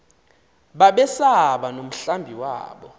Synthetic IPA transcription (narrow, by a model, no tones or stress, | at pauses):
ɓaɓɛsaɓanom̩ɬambʱiwa̰ːɓɔ